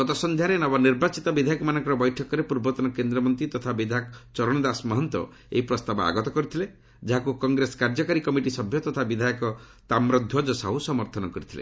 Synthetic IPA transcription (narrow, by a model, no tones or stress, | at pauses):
ɡɔt̪ɔsɔnd̪ʱjaɾenɔbɔniɾbat͡ʃit̪ɔbid̪ʱajɔkɔmanɔ̃ŋkɔɾɔbɔjʈʰɔkɔɾepuɾbɔt̪ɔnɔkend̪ɾɔmɔnt̪ɾit̪ɔt̪ʰabid̪ʱakt͡ʃɔɾɔɽ̃ɔd̪asmɔɦɔnt̪wɔ̰ | ḛipɾɔst̪abɔa̰ɡɔt̪ɔkɔɾit̪ʰile | d͡ʒaɦakukɔŋɡɾesɔ̥kaɾd͡ʒɔkaɾikɔmiʈisɔbʱjɔt̪ɔt̪ʰabid̪ʱajɔkɔ | t̪amɾɔd̪ʱjɔd͡ʒɔsa̰ɦusɔmɔɾt̪ʰɔnɔkɔɾit̪ʰilḛ